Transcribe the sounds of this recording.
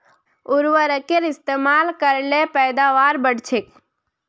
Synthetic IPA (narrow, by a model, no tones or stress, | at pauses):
ʊɾʋəɾəkeɾɪst̪eːmaːlkəɾlepɛːd̪aːʋaːɾbəɽt͡ʃʰek